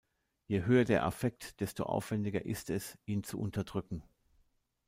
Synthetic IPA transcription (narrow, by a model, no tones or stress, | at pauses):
jeɦøːɐdeːɐʔa̰fɛk̚td̥ɛsto̰ʔa̰ʊfv̥ɛndɪɡɐ̰ʔɪstɛsʔiːnt͡sṵʔʊntʰɐdʁʏkŋ̩